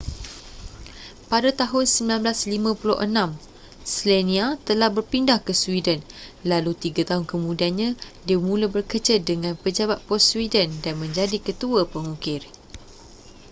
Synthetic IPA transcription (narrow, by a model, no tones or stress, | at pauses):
padat̪aɦʊnsəmbilanblaslimãpulʊ̰ʔənãm | slenĩat̪əlahbərpindahkəswidənlalut̪iɡat̪aɦʊnkəmũdianɲãdiəmũlabərkət͡ʃəldəŋãnpəd͡ʒabat̪̚pɔsswidəndanmə̃ɲd͡ʒadikət̪uəpəŋũkɪr